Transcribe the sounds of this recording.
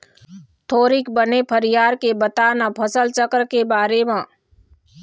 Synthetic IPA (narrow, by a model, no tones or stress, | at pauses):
t̪ʰoːɾikbənepʰəɾijaːɾkebət̪anapʰəsəlt͡ʃəkɾkebaːɾemãː